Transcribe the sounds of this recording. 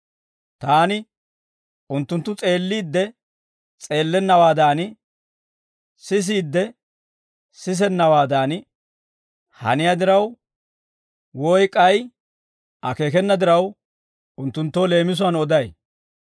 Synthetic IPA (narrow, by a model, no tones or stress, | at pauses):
t̪aːnɪ | ʊnt̪ːʊnt̪ːʊt͡sʼe̞ːlːiːd̪ːɛ | t͡sʼe̞ːlːɛnːɐwaːd̪aːn | sɪs̬iːd̪ːɛ | sɪs̬ɛnːɐwaːd̪aːnɪ | hɐ̰nɪjad̪ɪɾɐw | wɔjkʼːɐj | ɐke̞ːkɛnːɐd̪ɪɾɐw | ʊnt̪ːʊnt̪ːoːle̞ːmɪs̬ʊɐnɔd̪ɐj